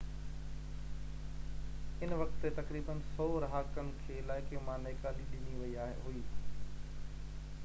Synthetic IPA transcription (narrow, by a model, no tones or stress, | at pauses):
ɪnʋɐkt̪ːet̪ɐkɾiːbənsɔːɾɦaːkənɪ̆kʰeːɪlaːɪkemãneːkaːliɗɪniʋɐiaːɦḛɦʊiː